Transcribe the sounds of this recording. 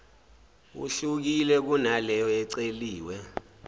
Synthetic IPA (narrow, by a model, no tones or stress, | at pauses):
ṵɬuk̬ilɛk̬unalɛjɔɛǀeliːwɛ